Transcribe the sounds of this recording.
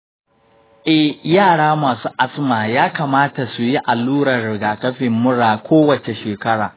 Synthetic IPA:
ʔɛ˦hjaː˦˨ɽaː˦maː˨suː˦ʔa˦smaː˨jaː˦kaː˨maː˦ta˨su˨ji˦ʔa˨luː˦ɽɐ˨rɽɪ˨ɡaː˨kɐ˦ɸɪ˨mːʊ˦ɽaː˨kʷoː˦wɐ˨t͡ʃe˨ʃeː˨kɐ˦ɽaː˨

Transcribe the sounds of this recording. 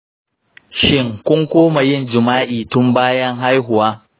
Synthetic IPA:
ʃɪ˦˨ŋkʷʊ˦ŋkʷoː˦ma˨jɪ˦˨nd͡ʒɪ˨maː˦ʔiː˨tʊ˦mbaː˦jɐ˦ŋɦa˦jɦʊ˨waː˦

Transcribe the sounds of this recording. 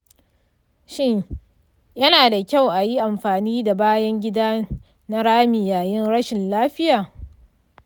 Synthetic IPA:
ʃɪ˦ɲ | jɐ˦naː˨da˨kʲa˦˨wʔa˨ji˦ʔa˨mɸaː˨niː˦da˨baː˦jɐ˦ŋɡʲɪ˦daː˦ | na˦ɽaː˦mi˨jaː˨jɪ˦nɽɐ˦ʃɪ˨nlaː˦ɸɪ˦jaː˨

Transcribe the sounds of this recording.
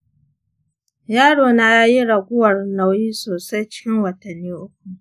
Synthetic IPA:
jaː˦ɽoː˨na˦ja˦ji˦ɽa˨ɡʷʊ˦wɐ˨rna˨wjiː˦soː˨sa˦jt͡ʃɪ̥˦kʲɪ˦ŋwɐ˨tɐ˨nːiː˦ʔʊ˦k̚ʷu˨ʔ

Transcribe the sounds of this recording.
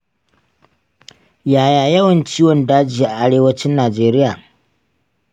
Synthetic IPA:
jaː˨jaː˨jɐ˦wɐ˨nt͡ʃiː˦wɔ˨ndaː˦d͡ʒiː˨ʔa˨ʔa˦ɽeː˦wɐ˦t͡ʃɪ˦nːaː˨d͡ʒeː˦ɾɪ˦jaː˨

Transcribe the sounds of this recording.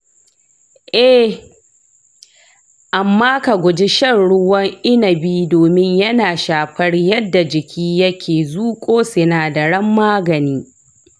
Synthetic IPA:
ʔɛ˦ | ʔa˨mːaː˦ka˨ɡʷʊ˨d͡ʒi˦ʃɐ˦rɽʊ˦wɐ˦ŋʔɪ˦nɐ˨biː˦doː˨mɪ˦ɲjɐ˦naː˨ʃaː˨ɸɐ˦rjɐ˦dːa˨d͡ʒɪ˨kʲʰiː˦jɐ˦kʲʰeː˨zuː˦kʷʼoː˦sɪ˨naː˨da˨ɽɐ˦mːaː˦ɡɐ˨niː˦

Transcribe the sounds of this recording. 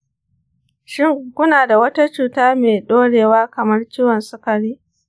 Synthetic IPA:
ʃɪ˦˨ŋkʷʊ˦naː˨da˨wɐ˦ta˦t͡ʃuː˨taː˦meː˨ɗoː˦ɽeː˨waː˦kɐ˨mɐ˦rt͡ʃiː˦wɔ˨nsʊ˦kɐ˨ɽiː˦

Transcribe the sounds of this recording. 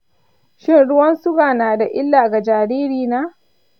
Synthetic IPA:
ʃɪ˦nɽʊ˦wɐ˦nsʊ˦ɡaː˨naː˨da˨ʔɪ˦lːaː˨ɡa˨d͡ʒaː˨ɽiː˦ɾiː˨naː˦

